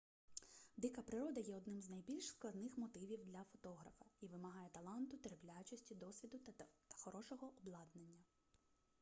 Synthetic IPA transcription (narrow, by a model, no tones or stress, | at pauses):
d̪ɪkɐpɾɪɾɔd̪ɐjɛɔd̪nɪmznɐjbʲilʲʃsklˠɐd̪nɪxmɔt̪ɪʋʲiwd̪lʲɐfɔt̪ɔɦɾɐfɐiʋɪmɐɦɑjɛt̪ɐlˠɑnt̪ʊt̪ɾeplʲat͡ʃɔsʲtʲid̪ɔsʲʋʲid̪ʊt̪ɐ̥xɔɾɔʃɔɦɔʔɔblˠɑd̪nenʲːɐ